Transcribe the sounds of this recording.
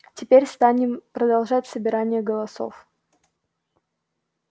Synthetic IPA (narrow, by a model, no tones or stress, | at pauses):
tʲɪpʲeɾʲst̪anʲɪmpɾəd̪ɐlˠʐatʲsəbʲɪɾanʲɪjəɡəlˠɐso̞̰f